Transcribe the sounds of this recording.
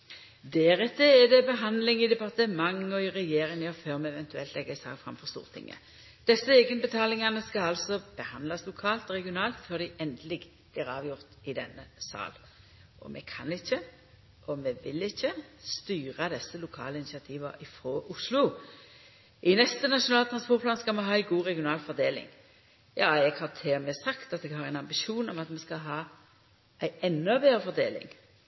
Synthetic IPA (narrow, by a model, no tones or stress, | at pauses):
d̪ɛːʁɛt̪ʰːəɛd̪ɛbəɦɑnd̪lɪŋɪd̪ɛpɑʁt̪əmɑŋɔɪʁɛjeːɾɪŋɑføːʁmɛɛʋɛnt̪ʉɛlt̪lɛɡːəsɑ̰ːkfɾɑ̰mːfɔʁst̪ṵːʁt̪ʰɪ̰ŋːə̰ | d̪̥ɛsːəeːɡənəbət̪ʰɑːlɪŋɑnəskɑɑlsɔb̥əhɑnd̪lɑslʊkʰɑːlt̪ɔʁɛɡɪʊnɑːlt̪fœʁd̪ɪʔɛnd̪əlɪɡb̥liːɾɑːʋjʊʁt̪ɪd̪ɛnːəsɑ̰ːl | ʔɔ̰mʔɛ̰kʰɑ̰nɪçːə | ʔɔmɛʋɪlɪçːəst̪yːɾəd̪ɛsːəlʊkʰɑ̰ːləɪnɪsɪɑt̪ʰiːʋəɾɪfɾoːʔʊslʊ | ʔɪnɛst̪ənɑʃʊnɑːlət̪ʰɾɑnspɔɾt̪pʰlɑːnskɑlmɛɦɑːæɪɡuːʁɛɡɪʊnɑːlfɔd̪eːlɪ̰ŋ | jɑːɛɡhɑʁt̪ʰeːmɛsɑkt̪ɑt̪̚d̪ɛɡhɑɾæɪnɑmbɪʃuːnɔmɑt̪mɛskɑɦɑː | ʔæɪɛnːɔbeːɾəfɔʁd̪eːlɪ̰ŋ